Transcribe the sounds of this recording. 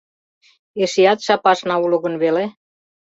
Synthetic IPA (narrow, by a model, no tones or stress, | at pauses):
eʃejɑt̪ʃɑpɑʃnɑulŏɣə̆nβele